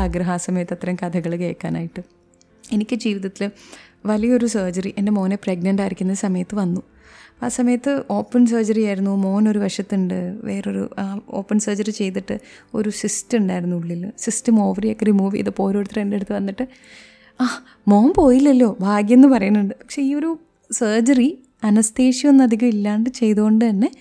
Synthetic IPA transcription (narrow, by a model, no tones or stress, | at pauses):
ɐɡɾɐɦaːsɐmɐjɐt̪ːɐt̪ːɐɾɐmkɐd̪ʰɐɣɐɭkḛːkːaːna̰ːjiʈːɨ | e̞nikʲːɨd͡ʑiːʋiðɐt̪ːilʋɐlijɐo̞ɾusɐːd͡ʑɐriʔe̞nde̞mo̞ːnepreɡnɐɳɖaːjiɾikʲːunːɐðɨsɐmɐjɐt̪ːɨʋɐnːu | pa̰ːsɐmɐjɐt̪ːɨo̞ːpːɐns̬ɐːd͡ʑɐrijaːjiɾunːumo̞ːno̞ɾuʋɐʂjɐt̪ːuɳɖɨʋeːroɾṵao̞ːpːɐnsɐːd͡ʑɐrit͡ɕe̞jt̪ːiʈːɨo̞̰ɾusistuɳɖaːjiɾunːuɭilːɐsistɐmo̞ːʋɐriɐkːɐrimuːʋḭɐ̰ðɨpo̞ːɾoːɽt̪ːrende̞ɽut̪ːɨʋɐnːiʈːɨ | aː | mo̞ːnpo̞ːjilːɐlːo̞ːbʱaːɡjenːɨpɐrɐjunːuɳɖɨpɐkʂe̞iːo̞ɾu | sɐːd͡ʑɐri | ɐnɐst̪eːʂionːɐd̪ʱiɣɐmilːaːɳɖɨt͡ɕe̞jt̪uɣo̞ɳɖɨt̪ɐnːe̞